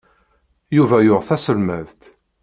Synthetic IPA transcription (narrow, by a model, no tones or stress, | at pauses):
juvæjʊʁθæsəlməðt̪